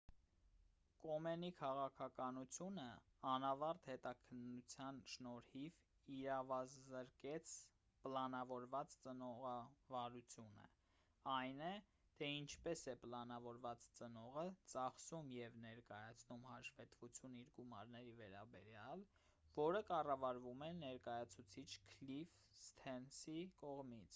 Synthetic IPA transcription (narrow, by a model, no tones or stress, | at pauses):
kɔmɛnikʰɑʁɑkʰɑkɑnut͡sʰjunə | ɑnɑvɑɾt̪hɛt̪ɑkʰənːut͡sʰjɑnʃnɔɾhiv | iɾɑvɑzəɾkɛt͡sʰ | pəlɑnɑvɔɾvɑt͡st͡sənɔʁɑvɑɾut͡sʰjunə̰ | ɑjnɛ | t̪ʰɛint͡ʃʰpɛsɛpəlɑnɑvɔɾvɑt͡st͡sənɔʁət͡sɑχsumjɛvnɛɾkɑjɑt͡sʰnumhɑʃvɛt̪vut͡sʰjuniɾɡumɑɾnɛɾivɛɾɑ̰bɛɾjɑl | vɔɾəkɑrɑvɑɾvumɛnɛɾkɑjɑt͡sʰut͡sʰit͡ʃʰkʰlif | st̪ʰɛnsikɔʁmit͡sʰ